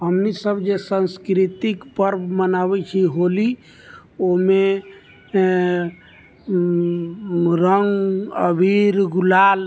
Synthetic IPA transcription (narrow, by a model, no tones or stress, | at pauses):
ɦəmnisəbd͡ʒesə̃nskɾit̪ikpəɾbmənabɛt͡ʃʰiɦoli | oɦme | ɾəŋɡəbʱiɾɡulal